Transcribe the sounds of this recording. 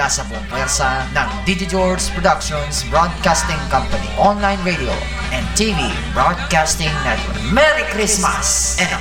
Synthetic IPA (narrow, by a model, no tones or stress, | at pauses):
asɐpɔnpɛɾsanɐ̃ŋd̪id͡ʒɪt̪ɔɹspɾɔd̪ɐkʃɔnsbɹod̪̚kast̪ɪ̃ŋkɐ̃mpɐnḭʔɔ̃nlajnɹed̪io̰ | ʔɛ̃nd̪̚t̪ivi | bɹod̪̚kast̪ɪ̃ŋnɛt̪wɛɾmɛɾikɾɪsmɐ̰sɛ̃